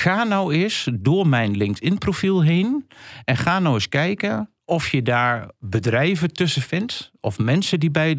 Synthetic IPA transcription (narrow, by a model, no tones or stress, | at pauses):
xaːnɔwɪsdʊəɹmɛjnlɪŋktɪnprofilˠɦeːnɛnxaːnɔwɪskɛjkə | ʔɔfjədaːɹbədrɛjvətøsəfɪntɔfmɛnsədibɛj